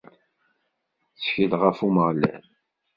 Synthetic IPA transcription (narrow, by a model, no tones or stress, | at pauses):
θçəlʁəfuməʁlæ̰n